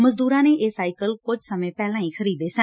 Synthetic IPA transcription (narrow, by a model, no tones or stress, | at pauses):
məzd̪uːɾãːneːʔeːsaːɪkəlkʊd͡ʒʱsəmẽːpɛːlãːĩːxʰəɾiːd̪eːsə